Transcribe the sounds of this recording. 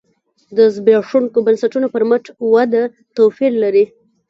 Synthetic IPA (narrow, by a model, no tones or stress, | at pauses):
d̪əzbɾɑʂuŋkobansaʈunopəɾməʈ͡ʂwad̪a | t̪owfiɾlaɾi